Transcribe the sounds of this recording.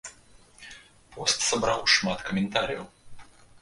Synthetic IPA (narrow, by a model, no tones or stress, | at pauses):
pɔst̪sɐbɾawʂmat̪kɐmʲɪnt̪aɾʲijɐ̰w